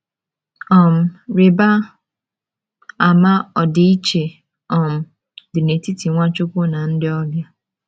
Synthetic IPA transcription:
ɔ˦˨m̩˨ɾɪ˨ba˦ | a˨ma˦ɔ˨dɪ˨i˦t͡ʃe˨ | ɔ˨m̩˨ | dɪ˨ne˨ti˦ti˨ŋʷa˦t͡ʃʊ˦kʷʊ˦na˨n̩˦dɪ˦ɔ˦bja˦

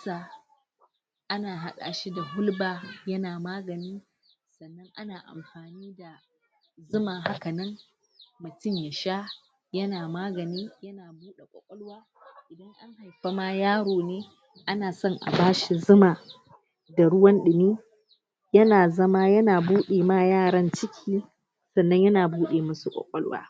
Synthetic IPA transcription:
saː˨ | ʔa˦naː˨ɦa˦ɗa̰ː˨ʃi˦da˨ɦʊ˦lbaː˨jɐ˦naː˨maː˦ɡɐ˨niː˦ | sɐ˨nːɐ˦ŋʔa˦naː˨ʔa̰˨mɸaː˨niː˦da˨ | zʊ˦maː˨ɦa˦ka˨nɐ˦m | mʊ˨tʊ˦˨mja˨ʃa˦ | jɐ˦naː˨maː˦ɡɐ˨niː˦jɐ˦naː˨buː˦ɗe˨kʷʼɐ̰˨kʷʼɔ˦lwaː˦ | ʔɪ˨dɐ˦ŋʔa˦ŋha˨jɸa˦ma˦jaː˦ɽoː˨neː˦ | ʔa˦naː˨sɔ˦ŋʔa̰˨baː˦ʃi˨zʊ˦maː˨ | da˨ɽʊ˦wɐ˦nɗɪ˨miː˦ | jɐ˦naː˨zɐ˦ma˦jɐ˦naː˨buː˦ɗeː˨ma˦˨jaː˦˨ɽɐ˦nt͡ʃɪ˦kʲʰiː˦ | sɐ˨nːɐ˦ɲjɐ˦naː˨buː˦ɗeː˨mɐ˦su˨kʷʼɔ̰˨kʷʼɔ̰˦lwa̰ː˦

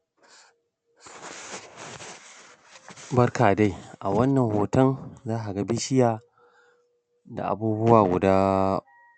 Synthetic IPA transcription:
bɐ˦rkaː˨da˦jʔa˨wɐ˦nːɐ˨ŋhoː˨tɐ˦nzaː˦ɦa˨ɡa˦bɪ˦ʃɪ˦jaː˨ | da̰˨ʔa̰˨buː˦bʊ˦waː˨ɡʷʊ˨daː˦

